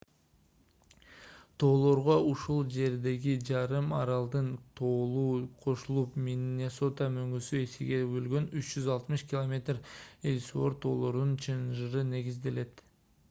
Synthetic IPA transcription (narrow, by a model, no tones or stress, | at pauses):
t̪ʰo̞ːlˠo̞ɾʁouʃulˠd͡ʒe̞ɾd̪e̞ɡid͡ʒɑɾɯmɑɾɑlˠd̪ɯnt̪ʰoːlˠuːqʰo̞ʃulˠupmʲinʲe̞so̞t̪amøŋɡysyesiɡe̞bølɡø̞nyt͡ʃd͡ʒyzɑlˠt̪mɯʃkʲilˠomʲe̞t̪relʲsuo̞ɾt̪ʰo̞̰ːlˠo̞ɾd̪unt͡ʃʰɯnʒɯɾɯne̞ɡizd̪e̞le̞t̪